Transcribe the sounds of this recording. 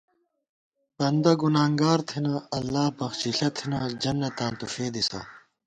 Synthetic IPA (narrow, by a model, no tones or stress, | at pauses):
bɐnd̪ɐɡunaːŋɡaːɾt̪ʰinaɐlːaːpɐxɕiɬɐt̪ʰinad͡ʑɐnːɐt̪ãːnt̪ufeːd̪isɐ̰